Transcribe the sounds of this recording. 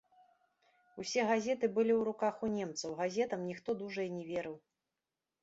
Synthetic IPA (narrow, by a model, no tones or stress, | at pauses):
usʲɛɣazʲɛt̪ɨbɨlʲiwɾukaxunʲɛmt̪sɐwɣazʲɛt̪ɐmnʲixt̪ɔd̪uʐɐjinʲɛvʲeɾɨw